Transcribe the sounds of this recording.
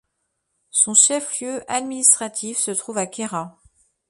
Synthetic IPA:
sɔ̃ʃɛfljøʔad̪minist̪χat̪ʰifsət̪χuvakʲeʁa

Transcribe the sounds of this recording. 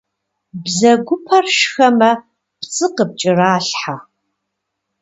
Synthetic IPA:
bzɐɡʷʊpʰɐrʃxɐmɐ | pt͡sʼɨqəp̚t͡ʃʼɪraːɬħa

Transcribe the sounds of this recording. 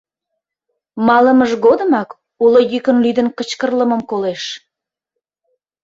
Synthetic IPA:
mɑləməʒɣod̪əmɑk | uləjykənlyd̪ənkət͡ɕkərləməmkoleʃ

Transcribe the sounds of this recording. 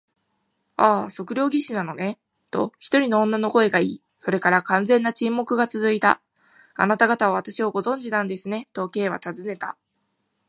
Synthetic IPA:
aːso̞kɯ̟ɾʲo̞ːɡʲiɕinano̞ne̞ | t̪o̞̰çi̥t̪o̞ɾʲino̞õnːano̞ko̞e̞ɡaiː | so̞ɾe̞kaɾakãnd͡zẽ̞nːat͡ɕĩmːo̞kɯ̟ɡat͡sɨzɨit̪a̰ | a̰nat̪aɡat̪aβaβ̞at̪aɕiβoɡo̞zõ̞ɲ̟d͡ʑinãnd̪e̞sɨne̞t̪o̞ke̞ːβa̰t̪azɨne̞t̪a̰

